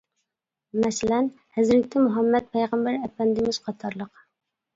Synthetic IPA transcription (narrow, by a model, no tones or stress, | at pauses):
mɛsɪlɛn | hæzɾɪk̚ʲt̪ʰɛmuɦɛmːɛt̪̚pʰɛjʁæmbæɾɛpɛnd̪ɪmɪz̥qʰɑt̪ʰɑɾlˠəq